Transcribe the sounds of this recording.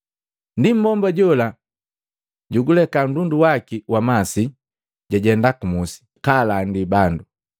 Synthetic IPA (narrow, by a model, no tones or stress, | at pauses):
ndim̩bɔmbaɟɔla | ɟuɡulɛkan̩dunduwakiwamasi | ɟaɟɛndakumusi̥ | kalandibandu